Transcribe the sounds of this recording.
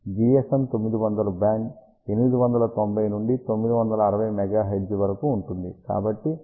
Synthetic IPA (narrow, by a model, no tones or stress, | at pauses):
d͡ʒiesemt̪o̞mːid̪iʋɐnd̪ɐlubjaːŋk | e̞nimid̪iʋɐnd̪ɐlɐt̪o̞mbʱɐjnuɳɖit̪o̞mːid̪iʋɐnd̪ɐlɐːɾɐʋɐjmɛɡaːɦeɖd͡ʒʋɐɾɐkuːɳʈund̪ika̰ːbɐʈːi